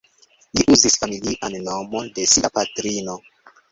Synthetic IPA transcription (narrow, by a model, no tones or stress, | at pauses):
liʔuzisfamiliʔanno̞mo̞de̞siapatɾino̞